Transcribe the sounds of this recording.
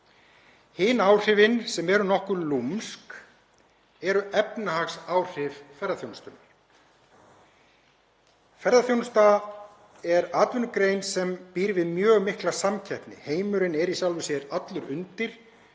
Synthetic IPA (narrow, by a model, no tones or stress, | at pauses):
hɪːnaːwr̥ɪvɪnsɛmɛɾʏnɔhkʏɾlumsk | ɛɾʏɛpnahaxsaːwr̥ɪvfɛɾðaθjownst̪ʏm | fɛɾðaθjownst̪a | ɛɾaːt̪vʏnʏkɾejnsɛmpiːɾvɪðmjœːɣmɪhklasamcʰɛjhpnɪ̰heːjmʏɾɪnɛɾisjawlvʏsjɛɾat̪lʏɾʏnt̪ɪɾ̥